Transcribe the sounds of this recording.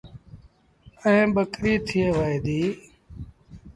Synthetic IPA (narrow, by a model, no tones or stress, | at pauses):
əẽːɓəkɾiːt̪ʰɪeːʋaːeːd̪iː